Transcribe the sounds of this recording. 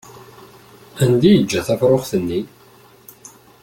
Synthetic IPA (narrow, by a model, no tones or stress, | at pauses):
ænd̪ijəd͡ʒːæθæfɾˤoχθənːi